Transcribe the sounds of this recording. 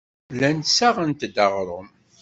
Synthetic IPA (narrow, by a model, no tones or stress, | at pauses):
lænsaʁənt̪d̪əʁɾˤəm